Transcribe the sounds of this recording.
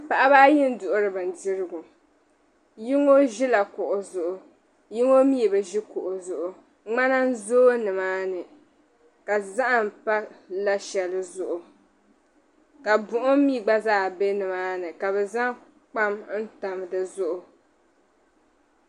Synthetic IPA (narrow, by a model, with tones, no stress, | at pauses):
pa˨ʔa˦baː˦ji˦n̩˦dʊ˨ʔʊ˦ɾɨ˨bɨ˨n˨di˦ɾɨ˦ɡʊ˨ | ji˦ŋo˦ʒi˦la˨kʊ˨ʔʊ˨zʊ˨ʔʊ˨ | ji˦ŋo˦mi˦˨bɨ˨ʒi˦kʊ˨ʔʊ˨zʊ˨ʔʊ˨ | ŋ͡ma˦na˦n̩˦zoː˦nɨ˨maː˦nɨ˨ | ka˨za˦ʔa˨m˨pa˦la˦ʃɛ˨lɨ˨zʊ˨ʔʊ˨ | ka˨bʊ˨ʔʊ˦mi˦˨ɡ͡ba˦zaː˦be˦nɨ˨maː˦nɨ˨ka˨bɛ˨za˦ŋ | k͡pa˦mn̩˦ta˨m˨dɨ˨zʊ˦ʔʊ˨